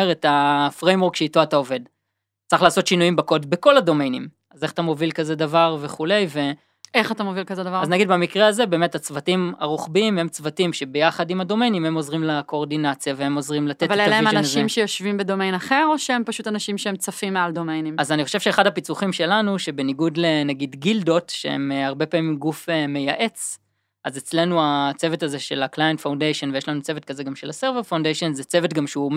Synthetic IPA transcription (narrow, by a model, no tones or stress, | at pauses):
eʁetafʁejmwoʁkʃeitoatao̞ve̞d | t͡sʁiχlaːso̞tʃinujimbako̞dbeko̞lado̞mejnim | aze̞χḁt̪amo̞vilkaze̞davaʁve̞χule̞jve̞ | eχat̪amovilkazedavaaznaɡid̪̚bamikʁeaze̞be̞ːme̞tat͡svatima̰ʁuχbiimhe̞mt͡svatimʃe̞be̞jaχadimado̞me̞jnimhe̞mo̞zʁimlako̞ːʁdinat͡sjavehe̞mo̞zʁimlat̪etvalealaemananʃimʃejo̞ʃvimbedo̞mejnaχe̞ʁoʃeempaʃutanaʃimʃeemt͡safimːealdo̞mejnimazaniχo̞ʃevʃeeχadhapit͡suχimʃe̞lanuʃe̞be̞niɡudlenaɡidɡildo̞tʃḛḛmaʁbe̞paːmimɡufeme̞jaʔe̞t͡s | ʔaze̞t͡sle̞nuat͡seve̞taze̞ʃe̞laklajentfawndejʃo̞nvejeʃlanut͡se̞vet̚kazeɡamʃe̞laseʁveʁfawndejʃo̞nzet͡se̞ve̞tɡamʃeu